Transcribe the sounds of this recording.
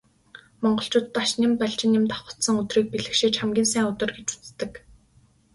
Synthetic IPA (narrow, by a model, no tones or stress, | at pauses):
mɔɴɢɞ̆ɬt͡ɕʊːt̪ːaʃnimpæɮt͡ɕɪ̆nːɪmt̪ḁχə̥̆t̪sə̆ŋɵt̪riːk̚piɮɘ̆kʃĭːt͡ɕχæmɡʲiːnsæːŋʊt̪ə̆rɡet͡ɕu̥t͡st̪ːɘ̆k